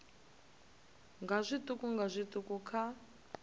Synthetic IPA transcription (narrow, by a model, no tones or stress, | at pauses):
ŋɡazʷit̪ʼukuŋɡazʷitʼukukʰa